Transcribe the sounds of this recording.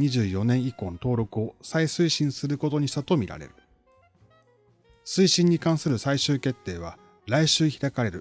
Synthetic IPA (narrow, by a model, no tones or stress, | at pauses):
ɲiʑɨːjo̞nẽ̞ɰ̃iko̞ːnot̪o̞ːɾo̞kɯ̟o̞saisɨiɕĩɰ̃sɨɾɯ̟ko̞t̪o̞ɲ̟iɕit̪at̪o̞mʲiɾa̰ɾḛɾɯ̟ | sɨiɕĩɲ̟ːikãɰ̃sɨɾɯ̟saiɕɨːke̞t̪ːe̞ːβ̞a̰ | ɾaiɕɨːçiɾakaɾe̞ɾɯ̟